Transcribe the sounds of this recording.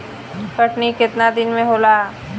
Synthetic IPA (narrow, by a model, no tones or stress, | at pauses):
kəʈnikɪt̪nad̪ɪnmẽɦoːlaː